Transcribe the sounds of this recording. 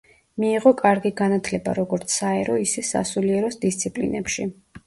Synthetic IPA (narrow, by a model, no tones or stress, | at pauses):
miːʁɔkʼaɾɡiɡanat̪ʰlɛba̰ɾɔɡɔɾt̪sʰaɛɾɔisɛsa̰suliɛɾɔsd̪ist̪sʰipʼlḭnɛ̰pʃi